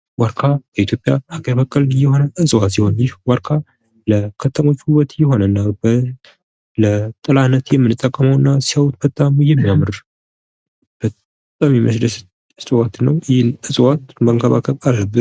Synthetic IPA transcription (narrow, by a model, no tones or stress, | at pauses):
waɾkʰaləit̪jo̞pʼjahaɡəɾbəkʼəljːɛho̞nəʔɨsʼwat̪iho̞njɪhwaɾkʰa | ləkʰət̪ʰəmo̞t͡ʃːhuwət̪jɛho̞nənːab | lət̪ʼɨlanət̪jɛmːɨnɨt̪ʼːəkʼːəməwɨnːasiawt̪bət̪ʼːamujɛmːijamɨɾ | b̥ət̪ʼ | amiməsd̪əs | ɨsʼwat̪nːəwjhɪnɨsʼwat̪məŋkʰəβakʰəβalːəbːɨn